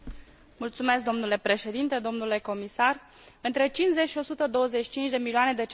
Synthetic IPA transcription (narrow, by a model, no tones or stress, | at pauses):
mult̪sume̞sk̚d̪o̞mnule̞pɾe̞ʃe̞d̪int̪e̞d̪o̞mnule̞ko̞misar | ɨnt̪ɾet͡ʃinze̞t͡ʃʃio̞sut̪əd̪o̞wəze̞t͡ʃi̥t͡ʃint͡ʃʲd̪e̞milioane̞d̪e̞t͡ʃ